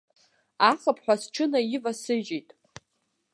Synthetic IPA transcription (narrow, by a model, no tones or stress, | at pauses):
aχəpʰħᶣʷasʈ͡ʂʰɨnaivasɨʒejtʼ